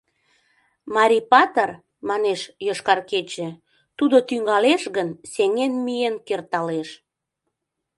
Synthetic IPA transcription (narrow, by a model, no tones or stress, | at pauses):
mɑɾʲipɑt̪ər | mɑneʃjoʃkɑrket͡ɕĕ | t̪ud̪ot̪yŋɡɑleʃɣənseŋenmijenkert̪ɑleʃ